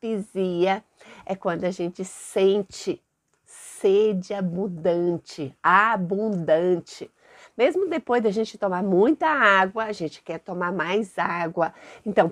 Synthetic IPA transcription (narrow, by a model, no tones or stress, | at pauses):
iziɐ | ɛkwɐ̃nd̪ʊaʒẽnt͡ʃɪsẽnt͡ʃɪ | sed͡ʒɪabũd̪ɐ̃t͡ʃɪabũd̪ɐ̃t͡ʃɪ | mezmʊd̪epojzd̪ɪɐʒẽnt͡ʃɪt̪omaɾmũj̃t̪ɐaɡwɐːʒẽnt͡ʃɪ̥kɛɾt̪omaɾmajzaɡwɐẽnt̪ɐ̃w̃